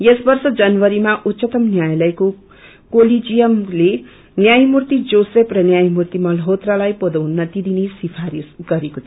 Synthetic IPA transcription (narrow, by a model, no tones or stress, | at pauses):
jesbʌrsʌd͡zʌnwʌɾimaʔut̪ːsʌt̪ʌmnjajlʌjko | kolid͡zijʌmle | njajmurt̪id͡zoseprʌnjajmurt̪imʌlɦot̪ralajpod̪ʌwnːʌt̪id̪inesipʰaɾisɡʌɾekot̪ʰ